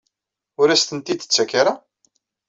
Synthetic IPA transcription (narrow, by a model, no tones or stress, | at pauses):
ʊɾæst̪ənt̪id̪ə̥t͡sːækːaɾa